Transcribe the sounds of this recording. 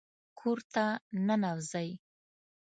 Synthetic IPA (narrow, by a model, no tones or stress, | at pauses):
kʰoɾt̪ananawzaj